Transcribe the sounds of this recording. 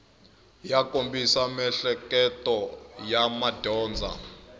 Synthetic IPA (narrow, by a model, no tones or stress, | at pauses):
jakʼombisamɛɬɛkʼɛtʼɔjamad̥ʱɔːnd͡zʱa̰